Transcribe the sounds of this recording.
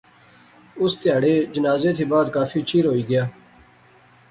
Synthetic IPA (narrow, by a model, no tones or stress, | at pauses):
ʊst̪ɪjaːɽeːd͡ʒənaːzeːt̪ʰiːbaːd̪kaːfʰiːt͡ʃʰiːɾɦoːiːɡɪjaː